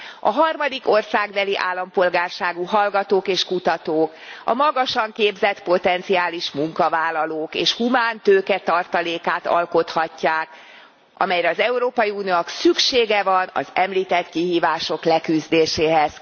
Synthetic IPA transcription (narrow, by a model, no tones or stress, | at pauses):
ɒ̰ɦɒrmɒd̪iko̞rsaːɡbɛliʔa̰ːlːɒmpo̞lɡaːrʃaːɡuɦɒlɡɒt̪oːkeːʃkut̪ɒt̪oːkɒ̰mɒɡɒʃɒŋkeːbzɛt̪po̞t̪ɛnt̪siaːliʃmuŋkɒvaːlːɒloːkeːʃhumaːnt̪øːkɛt̪ɒrt̪ɒleːkaːt̪ɒ̰lko̞t̪hɒcːaːk | ʔɒ̰mɛjɾɛɒzɛuɾoːpɒjiuniooksykʃeːɡɛvɒnɒ̰zɛmliːt̪ɛt̪kiɦiːvaːʃo̞klɛkyzd̪eːʃeːɦɛz̥